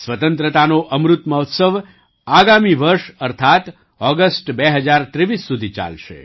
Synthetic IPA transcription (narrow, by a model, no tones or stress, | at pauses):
sʋət̪ənt̪ɾət̪anoʔəmɾut̪məɦɔt̪səʋ | aɡamiʋəɾʃəɾt̪ʰat̪ | ɔɡəsʈbɛɦəd͡ʒaɾt̪ɾeʋisːud̪ʱit͡ʃa̰lʃḛ